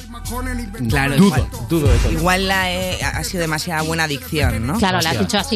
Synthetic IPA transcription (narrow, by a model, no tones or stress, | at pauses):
klaɾoid̪uðwad̪uðoesoiɣwalːaea̰siðoðemasjaðaβwe̞naðikθjo̞nːoklaɾolaazzðit͡ʃoasi